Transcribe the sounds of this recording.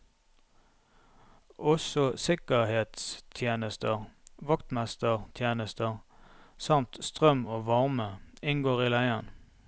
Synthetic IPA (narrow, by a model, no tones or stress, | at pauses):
ɔsɔsɪkəʁheːt̪st̪ʰjeːnəst̪əʁʋɑkt̪mæst̪əʁt̪ʰjeːnəst̪əʁsɑmt̪st̪ʁœmoːʋɑʁməɪŋɡoːʁiːlæɪən